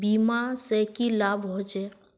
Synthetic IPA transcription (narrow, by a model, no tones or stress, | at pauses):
biːmasekilaːbɦot͡ʃe